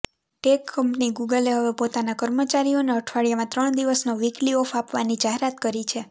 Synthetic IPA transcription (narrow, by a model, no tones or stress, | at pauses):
ʈekːəmpniɡuɡəleɦəʋepot̪anakəɾmət͡ʃaɾioneəʈʰʋaɭijamãt̪ɾəɳ̃d̪iʋəsnoʋikliɔfapʋa̰nid͡ʒaɦeɾat̪kəɾit͡ʃʰe